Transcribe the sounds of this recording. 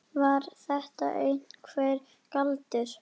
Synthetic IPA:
vaɾθɛht̪a̰ʔejn̥kʰvɛːɾ | kalt̪ɪɾ̥

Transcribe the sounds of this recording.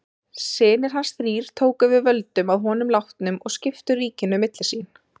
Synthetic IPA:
sɪːnɪɾ̥ɦansθɾiːɾ̥t̪ʰoːwkʏvɪðvœlt̪ʏmaðɦɔːnʏmlawht̪nʏmɔɣscɪft̪ʏriːcɪnʏmɪt̪lɪ̥siːn

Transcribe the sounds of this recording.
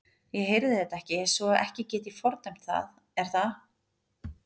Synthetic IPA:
jɛɦejɾðɪðɛht̪aɛhcɪsvɔaʔɛ̰hcɪcɛːt̪̬ifɔɾt̪nam̥t̪θa̰ð | ɛɾ̥θa

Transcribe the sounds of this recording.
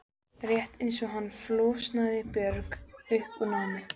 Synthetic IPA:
rjɛht̪ejns̬ɔɦanːfloːsnaðɪpjœɾkʏhpʏnawmɪ

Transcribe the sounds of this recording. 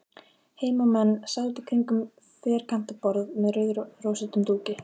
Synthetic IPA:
heːjmamɛnːsaðt̪ɪkʰɾiŋkʏm | fɛːɾ̥kʰan̥t̪apɔɾðmɛðœðroːwsɪt̪ʏmt̪uːcɪ

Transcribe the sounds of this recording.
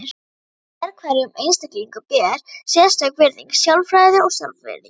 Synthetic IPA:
ɾ | ɛɾkʰvaɾɪʏmejnst̪akliiŋkʏpɛːɾ̥sjɛðst̪akvɪɾðḭŋksjawlfɾajðɪɔɣsalfɛ̰ðɪ̰

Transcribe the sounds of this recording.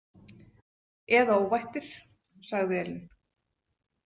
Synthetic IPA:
ɛðaowvajht̪ɪɾ̥ | saɣðɪɛln

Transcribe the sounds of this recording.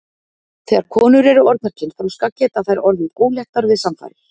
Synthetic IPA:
θɛːɣaɾ̥kʰɔːnʏɾɛɾʏɔɾt̪aɾ̥cɪnfaɾuskacɛːt̪aθajɾɔɾðɪðkoːwljɛht̪aɾvɪðsamfa̰jɾɪ̥

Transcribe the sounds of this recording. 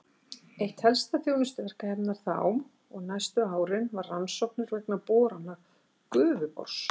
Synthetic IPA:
ejht̪hɛlst̪aθjownʏst̪ʏvɛr̥kahɛpnaɾ̥θa̰wm | ɔɣnajst̪ʏaːwɾɪnvarːansɔwhknʏɾvɛknapɔːɾanːa | kʏːvʏpɔ̰ɾ̥s

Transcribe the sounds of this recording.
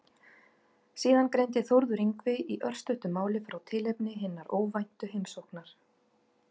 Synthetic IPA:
siːðankɾejnt̪ɪθoɾðʏɾiŋkvɪiʔœr̥st̪ʏht̪ʏmaːwlɪfɾʔawt̪ʰɪːlejpnɪɦɪnːaɾʔoːwvajn̥t̪ʏɦejmsowhknaɾ̥

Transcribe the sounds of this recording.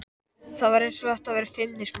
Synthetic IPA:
θaðvaɾejnsɔvaht̪avɛːɾɪ̥fɪmnɪsm

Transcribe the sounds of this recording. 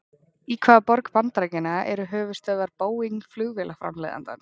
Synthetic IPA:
ikʰvaːðapɔɾkpant̪ɾajcɪnaɛɾʏɦœːvʏst̪œːðaɾpoːwiŋflʏɣvɛːlafɾa̰mlḛða̰nt̪a̰n

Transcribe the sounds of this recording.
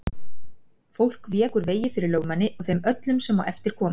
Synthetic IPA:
fowl̥kvjɛːkʏɾveːjɪfɪɾɪɾlœːɣmanːɪʔɔɣθejmœt̪lʏmsɛmawʔɛft̪ɪɾ̥kʰɔːm

